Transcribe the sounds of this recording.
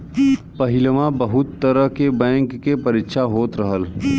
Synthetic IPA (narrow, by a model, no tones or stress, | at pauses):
pɐɦɪlʋãbəɦʊt̪ːəɾəɦkebɛ̃ːŋkːepɐɾɪtʃʰaɦoːt̪ɾəɦəl